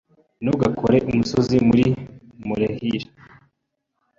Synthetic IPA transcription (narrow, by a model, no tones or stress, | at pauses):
nuɡakʰoɾeʔumusozimuɾi | muɾehiɾe